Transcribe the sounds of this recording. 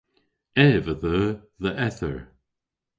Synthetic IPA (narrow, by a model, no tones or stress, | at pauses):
ɛːvəðəːðəʔɛθə̰ɹ